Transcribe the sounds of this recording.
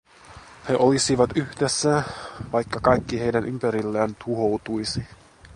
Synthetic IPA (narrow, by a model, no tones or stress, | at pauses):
he̞ʔolisiʋɑt̪yhdesːæʋɑjkːɑkɑjkːiɦe̞jdænʔympæɾilːæːnt̪ʰuɦo̞wt̪ujsi